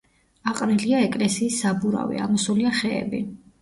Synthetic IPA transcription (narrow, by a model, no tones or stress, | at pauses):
aqʼɾɛliaɛkʼlɛsiːsːabuɾa̰vḭa̰mɔsuliaχɛ̰ːbi